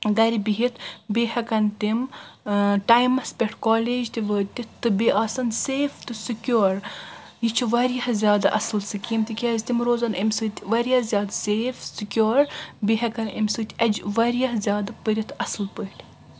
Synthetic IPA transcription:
ɡɐɾʲibiɦit̪beːhɐkɐnt̪im | ʈaːjmɐspʲɐʈʰkoːleːd͡ʒt̪iʋəːt̪ʲit̪ːɨbiʔaːsɐnseːft̪ɨsɨkʲjoːɾ | jit͡ʃʰiʋɐɾijɐhzʲjaːd̪a̰ʔɐ̰sɨlsɨkʲimt̪ʲikʲɐːzʲt̪imɾoːzɐnɐmʲsɨːt̪ʲʋɐɾʲjɐzʲjaːd̪seːfsɨkʲoːɾbeːɦɐkɐnɐmʲsɨːt̪ʲʔɐd͡ʒʋɐɾjɐɦzʲjaːd̪ɐpəɾʲit̪ʰɐsɨlpəʈ

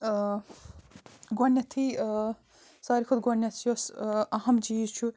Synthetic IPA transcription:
ɡɔnjɐt̪ʰi | saːɾikʰud̪ɡɔnjɐt̪ʰjosɐɦɐmd͡ʒiːt͡ʃʰu

